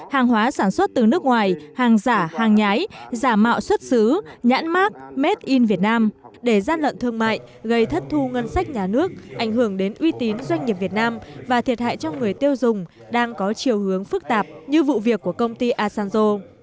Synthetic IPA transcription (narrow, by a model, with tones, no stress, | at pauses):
haː˨˩ŋɦwaː˨˦saː˧˩nswə˦˥t̚t̪ɨ˨˩nɨ˦˥ək̚ŋwaː˨˩jhaː˨˩ŋzaː˧˩haː˨˩ŋɲaː˨˦jzaː˧˩ma̰ː˧˨wswə˦˥t̚sɨ˨˦ɲa̰ː˧˥nmaː˦˥k̚me˦˥t̚ʔi˧nvi˨˩ət̚naː˧m | ɗe˧˩zaː˧nlwə̰˧˨nt̪ʰɨ˧əŋma̰ː˧˨jʔ | ɣə˧jt̪ʰə˦˥t̚t̪ʰu˧ŋə˧nsa˦˥k̟̚ɲaː˨˩nɨ˦˥ək̚ʔa˧˩jŋ̟ɦɨ˧˩əŋɗe˨˦nʔwi˧t̪i˨˦nzwa˧jŋ̟ɲi˨˩p̚vi˨˩ət̚naː˧mvaː˨˩t̪ʰi˨˩ət̚ha̰ː˧˨jt͡ɕɔ˧wŋɨ˨˩əjt̪i˧əwzʊ˨˩ŋ͡m | ɗaː˧ŋkɔ˨˦t͡ɕi˨˩əwhɨ˨˦əŋfɨ˦˥k̚t̪aː˨˩p̚ɲɨ˧vṵ˧˨vi˨˩əkːu˧˩əkə˧wŋ͡mt̪i˧ʔaː˧saː˧nzo˧